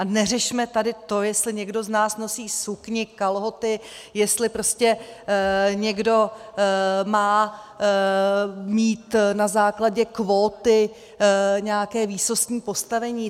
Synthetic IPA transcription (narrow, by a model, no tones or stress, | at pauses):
ʔanɛrɛʃmɛt̪adɪt̪o̞jɛst̪lɪɲɛɡdo̞znaːsno̞siːsukɲɪkalɦo̞t̪ɪjɛst̪lɪpɾo̞scɛ | ɲɛɡdo̞ | maː | miːt̪nazaːklaɟɛkvoːt̪ɪ | ɲɛakɛːviːsost̪ɲiːpo̞st̪avɛɲiː